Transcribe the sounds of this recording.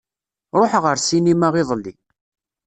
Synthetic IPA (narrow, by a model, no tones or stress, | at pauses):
ɾˤoħʁəɾsinimaʁɪðˤlːi